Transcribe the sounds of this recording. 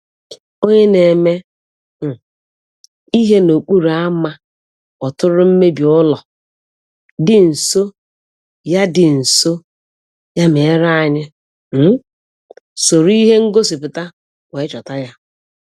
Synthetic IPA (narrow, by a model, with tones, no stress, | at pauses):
o˦ɲe˦ne˨me˦ | m̩˨ | i˦ɦe˦no˨k͡pu˦ɾa˦ma˦ | ɔ˨tʊ˦ɾʊ˦m̩˦me˦bi˨ʊ˦lɔ˨ | dɪ˨n̩˨so˦ | ja˦dɪ˨n̩˨so˦ | ja˦me˨˦ɾa˦˨ɲɪ˦ | m̩˦ | so˨ɾi˦ɦe˦ŋ̩˦ɡo˦si˨pʊ˨ta˦ | we˨˦t͡ʃɔ˨ta˦ja˦